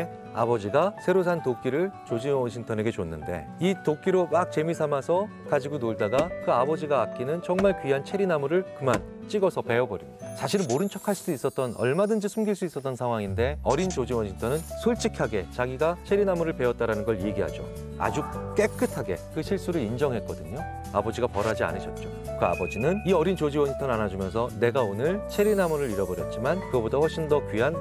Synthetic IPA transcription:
a̰bʌd͡ʑiɡasʰe̞ɾos̬ʰantok͈iɾɯɭt͡ɕod͡ʑiwʌnɕʰiŋtʰʌne̞ɡe̞t͡ɕonːɯnde̞̰itok͈iɾomak̚t͡ɕe̞misʰamasʰʌ | kad͡ʑiɡonoɭdaɡakɯabʌd͡ʑiɡaːk̚k͈inɯnt͡ɕʌŋmaɭkɥiɦant͡ɕʰe̞ɾinamuɾɯɭkɯmant͡ɕ͈iɡʌsʰʌpe̞ʌbʌɾḭt͡ɕaɕʰiɾɯnmoɾɯnt͡ɕʰʌkʰaɭs͈ʰiduis͈ʌt̚t͈ʌnʌ̰ɭmadɯnd͡ʑisʰumɡiɭs͈uis͈ʌt͈ʌnsʰaŋwaŋinde̞ʌɾint͡ɕod͡ʑiwʌɲitʰʌnɯnsʰoɭt͡ɕ͈ikʰaɡe̞t͡ɕaɡiɡat͡ɕʰe̞ɾinamuɾɯɭpe̞ʌt̚t͈aɾanɯnɡʌɭje̞ɡiɦa̰d͡ʑo̰ | a̰d͡ʑuk͈e̞k͈ɯtʰaɡe̞̰kɯɕʰiɭs͈uɾɯɾind͡ʑʌŋɦe̞t̚k͈ʌdɯɲo | abʌd͡ʑiɡapʌɾad͡ʑia̰nɯɕʰʌt̚t͡ɕ͈o | kɯa̰bʌd͡ʑinɯniʌɾint͡ɕod͡ʑiwʌɲʰitʰʌnɯanad͡ʑumjʌns̬ʰʌne̞ɡaonɯɭt͡ɕʰe̞ɾinamuɾɯɾiɾʌbʌɾjʌ̰t̚t͡ɕ͈imankɯɡʌbotaɸwʌɭɕ͈ʰindʌkɥiɦan

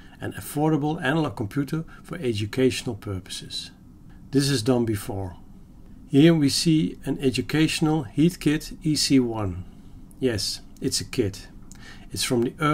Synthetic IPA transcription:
ɨ̰̃nəfɔɹɾəbəl̩ˠænəl̩əkɔ̃mpʰj̥utʰə˞fə˞ɛd͡ʒɨkʰeɪʃənəl̩ˠpʰɜ˞pə̥sɪz̥ | ðɪs̬ɨzdʌ̃nbɨfɔɹ | hiɹwisiːɨ̃nɛd͡ʒɨkʰeɪʃənl̩ˠhitkʰɪtisiwʌ̃n | jɛs | ɪtsɨkʰɪt | ɨtsfɹʌ̃mðiʔɜ

